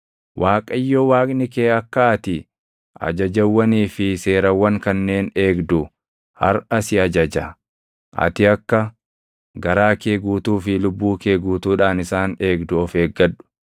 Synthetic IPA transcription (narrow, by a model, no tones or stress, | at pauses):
wʔaːkʼɐjːoːwaːkʼnɪkeːɐkːɐːt̪ɪ | ʔɐ̰d͡ʒɐd͡ʒɐwːɐniːfɪse̞ːɾɐwːɐŋkɐnːe̞ːne̞ːɡd̪ʊ | hɐ̰ɾɐsɪɐd͡ʒɐd͡ʒɐ | ʔɐ̰t̪ɪɐkːɐ | ɡɐɾaːke̞ːɡuːt̪uːfɪlʊbːuːke̞ːɡuːt̪uːᶑaːnɪsaːne̞ːɡd̪ʊɔfe̞ːɡːɐᶑʊ̥